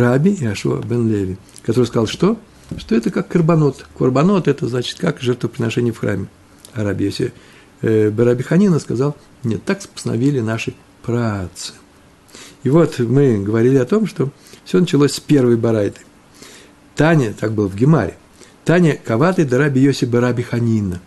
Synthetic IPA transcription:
ɾabʲɪɐʂṵbɛnlʲevʲɪ | kɐt̪o̞ɾɨskɐzɑlˠʂt̪o̞ | ʂt̪o̞ɛt̪əkakːərbɐno̞t̪kərbɐno̞t̪ɛt̪əznat͡ɕɪ̥t̪kakʐɛrt̪vəpɾʲɪnɐʂɛnʲɪjəfxɾa̰mʲɪ | ɐɾabʲɪjosʲɪ̰ | bəɾabʲɪxɐnʲinəskɐzalˠ | mnʲet̪akspə̥st̪nɐ̰vʲilʲɪnaʂɨ | pɾat̪sɨ̥ | ɪvo̞t̪mɨɡəvɐɾʲilʲɪɐt̪o̞mʂt̪o̞ | fsʲo̞nət͡ɕɪlˠosʲspʲe̞rvəjbɐɾajt̪ɨ̥j | t̪anʲət̪ak̚bɨlˠəvɡʲɪma̰ɾʲɪ̰ | t̪anʲəkɐvat̪əjd̪ɐɾabʲɪjosʲɪbəɾabʲɪxɐnʲinə

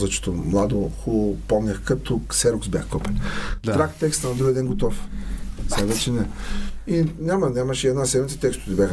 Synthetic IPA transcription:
zɐt͡ʃɔ̥t̪omlˠad̪oxulˠopɔmnʲɛxkɐt̪ʊsɛɾoksbʲjaxkɔpɐlʲd̪t̪ɾakt̪ɛkst̪ənɐd̪ɾuɡjəɛd̪ɛnɡot̪ɔfsavɛt͡ʃɛnɛinʲamɐnʲamɐʃɛɛd̪nasɛd̪mit̪sɛ̥t̪ɛkst̪ʊt̪ɛbjax

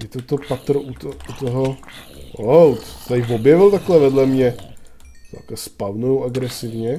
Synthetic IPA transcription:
jɛt̪ot̪opat̪rut̪out̪oɦo | owt̪t̪ajvobjɛvɪlt̪aklɛvɛdlɛmɲɛ | a̰kaspavnoowʔaɡɾɛsɪvɲɛ

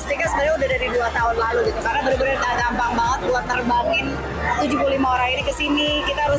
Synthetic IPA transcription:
sət̪iŋkasəbaɾaudahdaɾiduat̪aɦʊnlaluɡit̪ukarənabəɾubəɾat̪aɡambaŋbaŋət̪̚buat̪ːərbaŋɪn | t̪ud͡ʒup̬ulimaoɾaŋinikəsinikit̪aɦaɾʊ

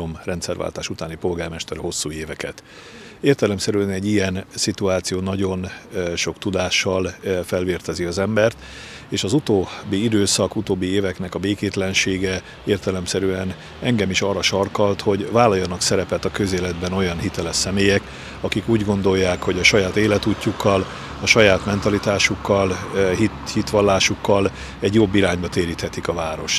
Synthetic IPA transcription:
omrɛnt̪sɛrva̰lt̪a̰ːʃut̪aːnipo̞lɡaːrmɛʃt̪ɛɾho̞sːuːeːvɛkɛt̪ | eːrt̪ɛlɛmsɛɾyɛnɛɟːijɛnsit̪uaːt̪sijoːnɒɟo̞nʃo̞kt̪ud̪aːʃːɒlfɛlveːrt̪ɛziɒzɛmbɛrt̪ | eːʃɒzut̪oːbːiid̪øːsɒkut̪oːbːieːvɛknɛkɒbeːkeːt̪lɛnʃeːɡɛ | eːrt̪ɛlɛmsɛɾyɛn | ɛŋɡɛmiʃɒːrːɒʃɒrkɒlt̪ho̞ɟvaːlɒjːɒnɒksɛɾɛpɛt̪ɒkø̞zeːlɛd̪bɛno̞jɒnɦit̪ɛlɛʃɛmeːjɛk | ɒkikuːɟɡo̞nd̪o̞jːaːkho̞ɟɒʃɒjaːt̪eːlɛt̪uːcːukːɒl | ɒʃɒjaːt̪mɛnt̪ɒlit̪aːʃukːɒlɦihit̪ʋɒlːaːʃukːɒl | ɛɟjobːiɾaːɲbɒt̪eːɾiːt̪hɛt̪ikɒvaːɾo̞ʃ

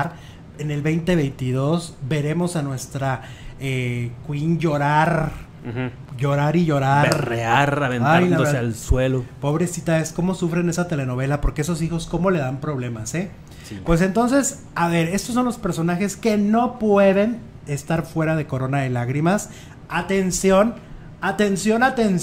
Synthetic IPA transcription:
ɾ | ene̞lβejnt̪e̞β̞e̞jnt̪iðo̞zbe̞ɾe̞mo̞sanwe̞st̪ɾa | ekwinʝo̞ɾaɾ | ʝo̞ɾaɾiʝo̞ɾaɾreaɾaβenajnaealswelopo̞βɾe̞sit̪ae̞sko̞mo̞sufɾe̞ne̞sat̪e̞le̞no̞βe̞lapo̞ɾkeeso̞s̬ixo̞sko̞mo̞le̞ðampɾo̞β̞le̞mase̞ | sipwe̞s̬e̞nt̪o̞ns̬e̞s | aβe̞ɾe̞st̪os̬ːo̞nlo̞spe̞ɾso̞naxe̞ske̞no̞pwe̞ðe̞n | e̞st̪aɾfwe̞ɾað̞e̞ko̞ɾo̞naðe̞laɣɾimas | at̪e̞nsjo̞n | at̪e̞nsjo̞nat̪ens

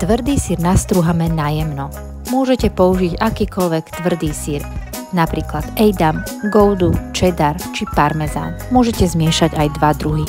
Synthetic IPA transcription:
t̪ʋr̩d̪iːsiɾnast̪ɾuɦamɛnajɛmnɔ | mʊɔʒɛcɛpɔuʒiɟakiːkɔlʋɛkt̪ʋr̩d̪iːsiɾ | napɾiːklad̪̥ɛjd̪am | ɡɔʊd̪ut͡ʃɛd̪aɾt͡ʃipaɾmɛza̰nmʊɔʒɛcɛzmɪɛʃaɟajd̪ʋad̪ɾuɦi

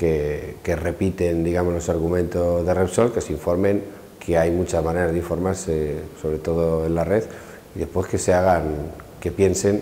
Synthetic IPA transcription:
keke̞re̞pit̪e̞nd̪iɣamo̞zlo̞saɾɣumẽnt̪ozðe̞repsolke̞siɱfo̞ɾmẽ̞ŋ | kʰeajmut͡ʃazmãne̞ɾazðiɱfo̞ɾmaɾseso̞βɾe̞t̪o̞ð̞oe̞nlare̞ð | iðe̞spwe̞ske̞seaɣ̞aŋke̞pje̞nse̞n

